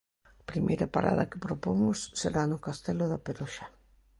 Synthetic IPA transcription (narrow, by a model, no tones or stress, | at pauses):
pɾimʔḛjɾapaɾa̰ðɐ̰kɪpɾopomʊsːeɾanʊkast̪ɛlʊðapeɾoʃa